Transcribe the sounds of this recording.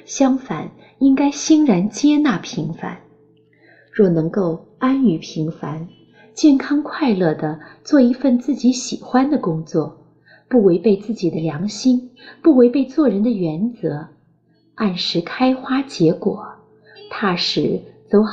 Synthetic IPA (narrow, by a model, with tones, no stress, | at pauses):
ɕjɑ˥ŋfa̰˨˩˦n | i˥ŋka˥ɪɕi˥ŋɻa˧˥nt͡ɕjɛ˥na˥˩pʰi˧˥ŋfa̰˨˧˩n | ɻwɔ˥˩nɤ˧˥ŋko˥˩ʊ | a˥ny˧˩pʰi˧˥ŋfa˧˥n | t͡ɕjɛ˥˩nkʰɑ˥ŋkʰwa˥˧ɪlɤ˥˩d̪ə˩t͡swɔ˥˩i˧˥fə˥˧nt͡sɹ̩˥˩t͡ɕi˧˥ɕi˨˩xwa˥nd̪ə˨kʊ˥ŋt͡swɔ˥˩ | pu˥˩we˧˥ɪpe˥˧ɪt͡sɹ̩˥˩t͡ɕi˨˩d̪ə˦ljɑ˧˥ŋɕi˥ŋpu˥˩we˧˥ɪpe˥˧ɪt͡swɔ˥˩ɻə˧˥nd̪ə˧ɥɛ˧˥nt͡sɤ˧˥ | a˥˩nʂɻ̩˧˥kʰa˥ɪxwa˥t͡ɕjɛ˧˥kwɔ̰˨˩˦ | t̪ʰa˥˩ʂɻ̩˧˥t͡so˧˥ʊ